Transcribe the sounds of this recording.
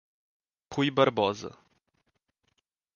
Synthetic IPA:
pʰujbɐɾbɔzɐ̰

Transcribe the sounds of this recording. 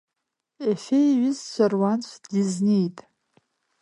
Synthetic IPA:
efejɥɪzsʷʰarwant͡ɕʷʰdiznejtʼ

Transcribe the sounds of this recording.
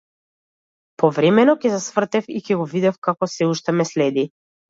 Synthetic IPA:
pɔvɾɛmɛnɔkɛzasvr̩t̪ɛfikɛɡɔvid̪ɛfkakɔsɛuʃt̪ɛmɛslɛd̪i

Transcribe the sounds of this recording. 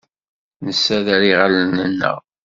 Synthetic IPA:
nəsːæðæɾiʁalənənːə̰ʁ

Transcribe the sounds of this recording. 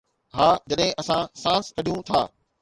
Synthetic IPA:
ɦaːd͡ʑɐɗɦɪ̃ʔɐsãsãːnskʰɐɗijũt̪ʰa̰ː

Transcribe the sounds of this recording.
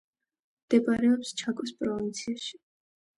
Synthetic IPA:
md̪̥ɛbʼaɾɛɔpst͡ʃʰakʼɔspʼɾɔvint̪sʰiaʃi̥

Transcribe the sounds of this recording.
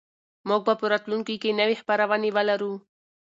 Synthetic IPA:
muɡ̚bapəɾat̪luŋkikenəwexpaɾawanewəlaɾu

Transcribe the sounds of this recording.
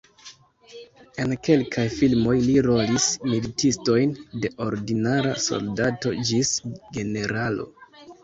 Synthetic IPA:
e̞nke̞lkʰajfilmo̞jliɾo̞lismilitʰisto̞jnde̞ʔo̞ɾdinaɾa̰so̞̰ldato̞d͡ʒisɡe̞ne̞ɾalo̰

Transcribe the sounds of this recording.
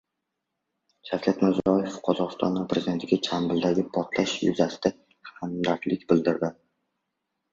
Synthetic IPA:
d͡ʒʰaflʰʲet̪mɪɾzɾɒjefqʰɒzɒʁɨst̪ʰɒ̰nvapʰɾezid̪e̞nt̪ʰɪɡʲat͡ʃʰambɪld̪aɡʲɪpʰɒt̪ʰlaʃjʊ̰zasɪ̥d̪a | hamd̪aɾt̪lɪkʲbɪld̪ɪɾd̪ɪ

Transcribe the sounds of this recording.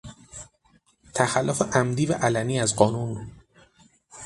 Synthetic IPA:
t̪ʰæxælːofeʔæmd̪iːvæʔælæmiːæzɢɒːnun

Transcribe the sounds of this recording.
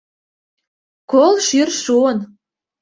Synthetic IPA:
kolʃyrʃuən

